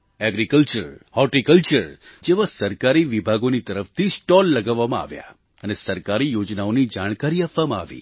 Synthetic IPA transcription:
ɛɡɾikəlt͡ʃəɾhɔʈikəlt͡ʃəɾd͡ʒeʋasəɾkaɾiʋibʱaɡonit̪əɾəft̪ʰisʈɔlːəɡaʋːamãa̰ʋja̰ | ənesəɾkaɾijod͡ʒnaonid͡ʒaɽ̃kaɾiapʋamãa̰ʋḭ

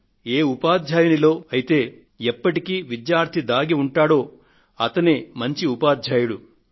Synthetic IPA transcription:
eːupaːd̪ʱjaːjunilo̞ːɐjit̪e̞ː | ɛpːɐʈikiːʋid̪jaːɾt̪ʰid̪aːɡiuɳʈaːɽo̞ː | ɐt̪ɐnemɐɲt͡ʃiupaːd̪ʱjaːjuɽu

